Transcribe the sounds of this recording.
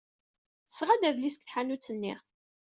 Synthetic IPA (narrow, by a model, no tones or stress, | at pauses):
θəsːʁad̪æðlisə̥kθħanut͡sːənːḭʁ